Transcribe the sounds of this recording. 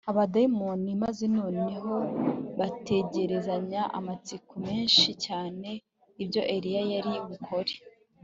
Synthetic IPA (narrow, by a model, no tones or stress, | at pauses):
aβadaimonimazeno̞ːneɦo̞βate̞ɟe̞ɾe̞zaɲaʔa̰mat͡sikume̞ːnʃicaːne̞ | ibjo̞ʔe̞ɾijajaɾiβukʰo̞ɾe̥